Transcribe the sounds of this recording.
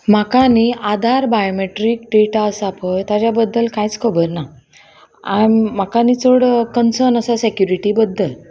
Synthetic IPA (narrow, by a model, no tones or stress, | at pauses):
m̤akaniad̪ʱaɾbajomeʈɾiːkʈeʈaəsapəjt̪jat͡ɕjabəd̪ːəlkajt͡skʰəbəɾna | a̰m̤akanit͡səɽkənsənəsasekjuɾiʈibəd̪ʱːə